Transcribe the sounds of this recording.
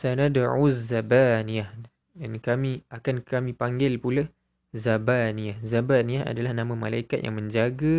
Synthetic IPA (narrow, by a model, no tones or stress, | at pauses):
sanadaʕuzabaniah | dankamĩakankamĩpaŋɡɪlpula | zabaniahzabaniaa̰dalahnãmãmalaikat̪̚ja̰ŋmə̃ɲd͡ʒaɡa